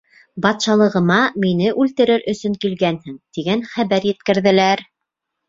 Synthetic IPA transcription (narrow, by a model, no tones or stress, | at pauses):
bɑt̪ʃɑlˠɤ̆ʁɤ̆mɑminɘʔʉlt̪ɘ̆ɾɘɾɵ̆sɵŋkilɡænhɘŋt̪iɡænχæβæɾjɘ̆t̪̚kɘ̆ɾðɘ̆læɾ